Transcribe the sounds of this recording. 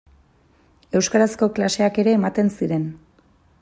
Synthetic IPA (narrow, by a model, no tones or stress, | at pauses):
e̞wskaɾasko̞klase̞ake̞ɾe̞ːmat̪e̞nsiɾe̞n